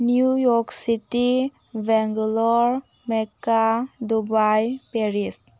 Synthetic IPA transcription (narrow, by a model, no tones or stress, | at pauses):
njujɔksiti | bɛŋɡlɔɾ | mekadubajpeɾis